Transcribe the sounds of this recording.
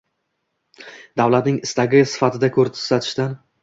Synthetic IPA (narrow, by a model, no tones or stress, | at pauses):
d̪awlat̪nɪŋɪst̪aɡʲɪsɪ̥fat̪ʰɪd̪akʰɵɾt̪ʰʊ̥sat̪ʰɪʃt̪an